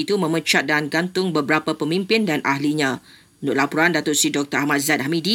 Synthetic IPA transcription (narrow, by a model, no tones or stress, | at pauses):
it̪umə̃mə̃t͡ʃat̪̚danɡant̪ʊŋbəbəɾapapəmĩmpɪndanʔaɦliɲã | nʊʔlapuɾandat̪ʊʔ̪̚sidɔk̚t̪əahmãt̪̚zat̪̚hamidi